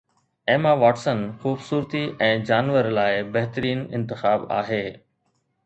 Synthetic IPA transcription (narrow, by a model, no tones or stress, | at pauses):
eːmaʋaːʈsənxuːbsuːɾt̪iʔɛ̃ːd͡ʑaːnʋəɾlaːɪbɐɦt̪əɾiːnɪ̃nt̪ɪxaːba̰ːɦeː